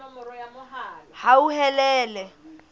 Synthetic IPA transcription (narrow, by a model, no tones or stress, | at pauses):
hauɦɛlɛːlɛ